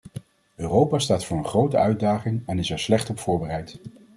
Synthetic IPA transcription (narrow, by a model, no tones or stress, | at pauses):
øːrowpaːstaːtfʊːɹənχrowtə̰œɥdaːχɪŋɛnɪsɛɹslɛχtɔpfʊːɹbərɛjt